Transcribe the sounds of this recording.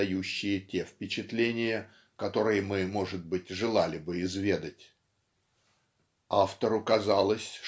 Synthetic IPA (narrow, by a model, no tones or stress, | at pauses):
ɐjuɕːɪjətʲe̞fpʲɪt͡ɕɪt̪lʲenʲɪjə | kɐt̪o̞ɾɨjəmɨmo̞ʐɨd̪̚bɨtʲʐɨlˠalʲɪbɨɪzvʲe̞d̪ətʲ | aft̪əɾʊkɐzalˠəsʲ